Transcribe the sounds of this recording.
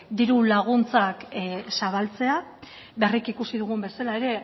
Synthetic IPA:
d̪iɾulaɣ̞unt͡saksaβalt͡se̞a | βerikikusiðuɣ̞umbe̞salae̞ɾe̞

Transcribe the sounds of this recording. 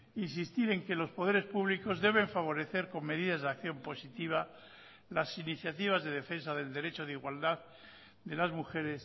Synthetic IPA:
insist̪iɾe̞ŋke̞lo̞spo̞ðe̞ɾe̞spuβliko̞zðe̞β̞e̞ɱfaβ̞o̞ɾe̞θe̞ɾko̞mme̞ðiðazðakθjo̞mpo̞sit̪iβ̞a | lasiniθjat̪iβ̞azðe̞ðe̞fe̞nsaðe̞ld̪eɾet͡ʃoðiɣwald̪að | d̪e̞lazmuxe̞ɾe̞s

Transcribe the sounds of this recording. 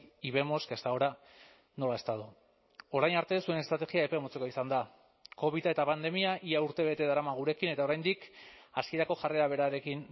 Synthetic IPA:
iβe̞mo̞skest̪aoɾa | no̞lae̞st̪aðu | o̞ɾajnaɾt̪e̞sue̞nest̪ɾat̪e̞ɣiaepemot͡sekoisand̪a | ko̞βit̪ae̞t̪apand̪e̞miaʔiauɾt̪e̞β̞e̞t̪e̞ð̞aɾamaɣuɾe̞kine̞t̪aoɾajnd̪ikaskieɾako̞ʝare̞ɾaβ̞e̞ɾaɾe̞kin

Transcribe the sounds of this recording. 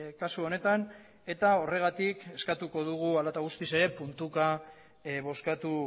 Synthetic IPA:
kasuo̞ne̞t̪an | e̞t̪ao̞re̞ɣ̞at̪ike̞skat̪uko̞ð̞uɣ̞ualat̪aɣ̞ust̪ise̞ɾe̞punt̪uka | βo̞skat̪u

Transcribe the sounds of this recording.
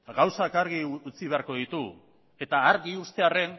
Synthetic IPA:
ɣawsakaɾɣiut͡siβe̞aɾko̞ðit̪u | e̞t̪aːɾɣiust̪e̞are̞n

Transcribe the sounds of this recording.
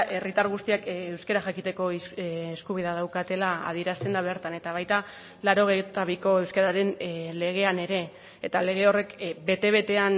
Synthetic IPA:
ʔe̞rit̪aɾɣ̞ust̪iakewskeɾaxakit̪e̞ko̞ːskuβ̞iðað̞awkat̪e̞laa̰ð̞ie̞ɾast̪e̞nd̪aβe̞ɾt̪ane̞t̪aβ̞ajt̪a | laɾo̞ɣejt̪aβ̞iko̞e̞wskeɾaɾe̞nle̞ɣ̞e̞ane̞ɾe̞ː | t̪ale̞ɣ̞e̞o̞re̞kbe̞t̪e̞βe̞t̪e̞an

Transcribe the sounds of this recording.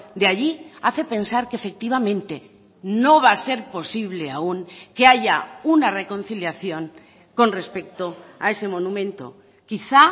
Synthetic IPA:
d̪eaʎiaθe̞pe̞nsaɾkeefe̞k̚t̪iβ̞amẽ̞nt̪e | no̞β̞ase̞ɾpo̞siβ̞le̞auŋke̞aʝaunare̞ko̞n̟θiljaθjo̞ŋ | ko̞nre̞spe̞k̚t̪oae̞se̞mo̞nũmẽ̞nt̪o̞̰ | kiθa

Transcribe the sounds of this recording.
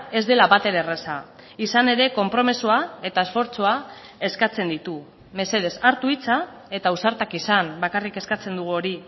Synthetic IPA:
e̞zd̪e̞laβat̪e̞ɾeresa | isane̞ɾe̞ko̞mpɾo̞mesoae̞t̪aesfo̞ɾt͡soa | e̞skat͡se̞nd̪it̪u | me̞se̞ð̞e̞saɾt̪uit͡sa | e̞t̪ausaɾt̪akisambakarike̞skat͡se̞nd̪uɣuo̞ɾi

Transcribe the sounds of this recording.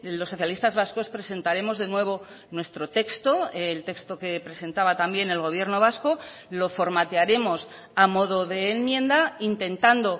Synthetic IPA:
losːo̞θjalist̪azβasko̞spɾe̞se̞nt̪aɾe̞mo̞zðe̞nwe̞β̞o̞ | nwe̞st̪ɾo̞t̪e̞kst̪o̞elt̪e̞kst̪o̞ke̞pɾe̞se̞nt̪aβat̪ambje̞ne̞lɣo̞β̞je̞ɾno̞β̞asko̞lo̞fo̞ɾmat̪eaɾe̞mo̞s | amo̞ðo̞ðe̞ːnmje̞nd̪aint̪e̞nt̪and̪o̞

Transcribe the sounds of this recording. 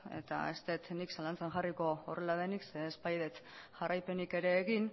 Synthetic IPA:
e̞̰t̪a̰est̪e̞t̪niksalant͡saŋʝariko̞ːre̞lað̞e̞nikse̞ːspajðe̞t̪ʝ̥arajpe̞nike̞ɾe̞ːɣin

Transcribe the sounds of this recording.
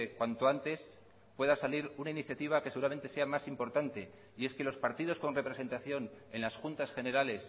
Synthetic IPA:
kwant̪o̞ant̪e̞s | pwe̞ðasaliɾunainiθjat̪iβ̞akese̞ɣuɾame̞nt̪e̞se̞amasimpo̞ɾt̪ant̪e̞ | ie̞ske̞lo̞spaɾt̪ið̞o̞sko̞nre̞pɾe̞se̞nt̪aθjo̞ne̞nlasxunt̪asxe̞ne̞ɾale̞s

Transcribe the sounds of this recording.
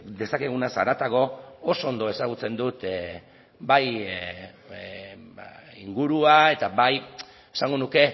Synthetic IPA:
d̪e̞sake̞ɣunasaɾat̪aɣo̞oso̞ːnd̪o̞e̞saɣ̞ut͡se̞nd̪ut̪ | baj | iŋɡuɾuae̞t̪abaj | esaŋɡo̞nuke̞

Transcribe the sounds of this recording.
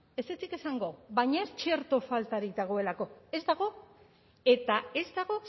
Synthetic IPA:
e̞set͡sike̞saŋɡo̞βajɲaest͡ʃe̞ɾt̪o̞falt̪aɾik̚d̪aɣ̞o̞e̞lako̞e̞zd̪aɣ̞o̞ | e̞t̪ae̞zd̪aɣ̞o̞

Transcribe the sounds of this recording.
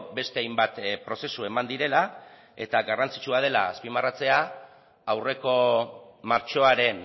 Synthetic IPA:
be̞st̪eajmbat̪pɾo̞se̞sue̞mand̪iɾe̞la | e̞̰t̪aɡarant͡si̥t͡ʃuað̞e̞laːspimarat͡se̞a | awre̞ko̞maɾt͡ʃo̞aɾe̞n

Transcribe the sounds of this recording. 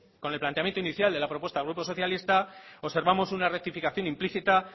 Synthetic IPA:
ko̞ne̞lplant̪eamjent̪oiniθjald̪e̞lapɾo̞pwest̪alɣɾupo̞so̞θjalist̪ao̞se̞ɾβamo̞sunarek̚t̪ifikaθjo̞nimpliθit̪a

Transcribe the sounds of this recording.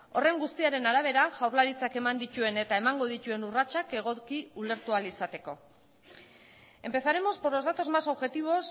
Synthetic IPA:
o̞re̞ŋɡust̪iaɾe̞naɾaβ̞e̞ɾaʝawɾlaɾit͡sake̞mand̪it̪ue̞ne̞t̪ae̞maŋɡo̞ð̞ic̪ue̞nurat͡ʃake̞ɣ̞o̞kiule̞ɾt̪ualisat̪e̞ko̞ | e̞mpe̞θaɾe̞mo̞spoɾlo̞zðat̪o̞zmaso̞βʝe̞t̪iβ̞o̞s

